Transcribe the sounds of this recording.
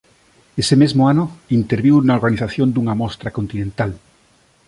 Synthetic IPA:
esemezmʊanʊint̪eɾβiwnaoɾɣaniθaθjond̪uŋamɔst̪ɾakont̪inẽnt̪al

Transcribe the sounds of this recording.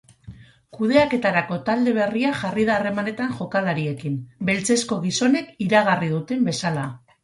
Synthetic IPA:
kuð̞e̞ake̞t̪aɾako̞t̪ald̪e̞β̞e̞riaʝarið̞aːre̞mane̞t̪aŋʝo̞kalaɾie̞kimbe̞lt͡se̞sko̞ɣ̞iso̞ne̞kiɾaɣarið̞ut̪e̞mbe̞sala

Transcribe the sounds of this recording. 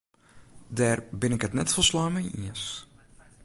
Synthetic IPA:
dɛːrbɪnɪkɦətnɛtfolˠslɔjmɛjḭəs

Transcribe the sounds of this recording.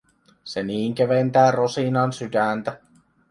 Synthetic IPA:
seniːŋk̟eʋent̪æːrosinɑnsydænt̪æ

